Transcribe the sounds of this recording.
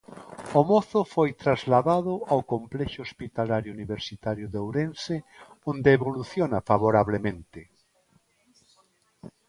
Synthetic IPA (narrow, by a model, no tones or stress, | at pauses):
omɔθʊfojt̪ɾazlaðaðʊawkomplɛʃoospit̪alaɾjʊuniβeɾsit̪aɾjʊðowɾense | õnd̪eːβoluθjonafaβoɾaβlemẽnt̪ɪ